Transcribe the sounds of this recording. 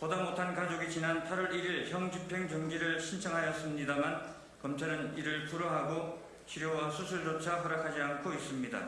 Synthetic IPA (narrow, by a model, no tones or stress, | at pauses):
pʌdamotʰankad͡ʑoɡit͡ɕinanpʰaɾʌɾiɾiɭçjʌŋd͡ʑipʰe̞ŋt͡ɕʌŋd͡ʑiɾɯɭɕʰint͡ɕʰʌŋɦajʌs͈ɯmɲidaman | kʌmt͡ɕʰaɾɯniɾɯɭpuɾʌɦaɡo | t͡ɕʰiɾjowasʰusʰuɭd͡ʑot͡ɕʰapuɾakʰad͡ʑiankʰois͈ɯmɲida̰